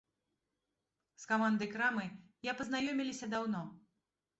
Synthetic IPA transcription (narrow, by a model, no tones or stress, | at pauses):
skamand̪ɨjkɾamɨ | japɐznajɔmʲilʲisʲɐd̪awnɔ